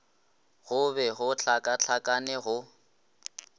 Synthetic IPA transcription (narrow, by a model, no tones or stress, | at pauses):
ɣʊbɛɣʊt͡ɬʰakʼaɬʰakʼanɛɣʊ